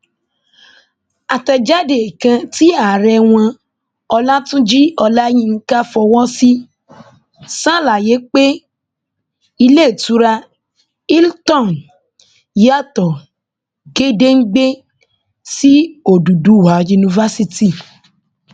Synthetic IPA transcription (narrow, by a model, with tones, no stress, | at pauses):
a˨tɛ˨d͡ʒa˦de˨kã˧ti˦a˨ɾɛ˧w̃ã˧ | ɔ˧la˦tũ˦d͡ʒi˦ɔ˧la˦j̃ĩ˦ŋ̩˦ka˦fɔ˧wɔ˦si˦ | sã˦˨la˨je˨˦k͡pe˦ | i˧le˦˨tu˨˦ɾa˧ | i˦ltɔ̃˦˨n | ja˦˨tɔ˨ | ɡe˦de˦ŋ̩˦ɡ͡be˦ | si˦o˦˨du˨du˨˦˨wa˨˦ju˧nĩ˧va˦si˦ti˦˨